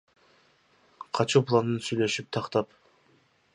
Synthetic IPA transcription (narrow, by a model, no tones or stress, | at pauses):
qʰɑt͡ʃuplˠanɯnsyjlʲe̞ʃyp̚t̪ʰɑqt̪ɑp